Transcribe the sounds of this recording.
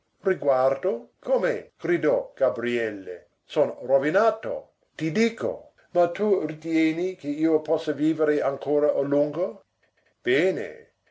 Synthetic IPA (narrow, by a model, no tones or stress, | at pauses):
riɡward̪okʰomeɡ̥rid̪ɔɡ̥abɾiɛlːḛ | sonrovinaːt̪o̰ | t̪id̪iːko̰ | mat̪urit̪jɛːnikeiːopɔsːaviːveɾeaŋkʰoːɾaʔoluŋɡo | b̥eːnḛ